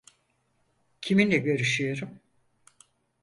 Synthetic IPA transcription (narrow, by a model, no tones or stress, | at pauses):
cʰiminlɛɟø̞ɾyʃyjo̞ɾum